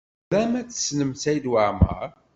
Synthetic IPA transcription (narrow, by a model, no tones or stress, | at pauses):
æmæt͡sːə̥snəmsæjd̪wəʕmə̰ɾ